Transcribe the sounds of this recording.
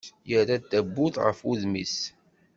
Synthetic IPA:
jəɾad̪æbːʊðʁə̰fuðmis

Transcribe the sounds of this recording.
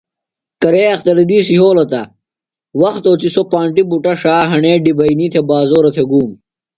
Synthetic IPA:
kɐɾeːɐxt̪ɐɾid̪iːsiɦoːlɐt̪ɐ | wɐxt̪oːt͡s̪isopaːɳʈibuʈɐʂaːɦɐɳeːɖibɐinit̪ʰebaːzoːɾɐt̪ʰeɡuːm

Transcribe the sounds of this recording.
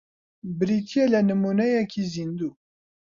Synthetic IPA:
bɨɾit̪ʰijɛlɛnɨmunɛjɛkʰizind̪u

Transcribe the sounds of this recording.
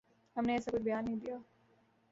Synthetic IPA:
ɦɐmneɛːsakʊt͡ʃʰbɐjaːnːɐɦĩd̪ijaː

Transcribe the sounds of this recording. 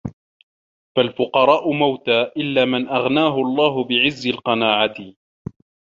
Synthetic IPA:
falfʊqɑɾˤɑːʔʊmawt̪aːʔɪlːaːmɪnʔaɣnaːɦʊʔɑlˤːɑːɦʊbɪʕɪzːɪlqɑnaːʕat̪ɪ

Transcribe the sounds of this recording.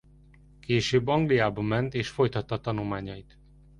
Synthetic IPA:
keːʃøːbːɒŋɡlijaːbɒmɛnt̪eːʃfo̞jt̪ɒt̪ːɒt̪ɒnulmaːɲɒjit̪

